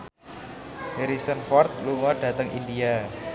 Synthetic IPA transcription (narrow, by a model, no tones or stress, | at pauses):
heɾisənfɔrt̪̚luŋɔɖ̥ä̤t̪əŋʔḭndia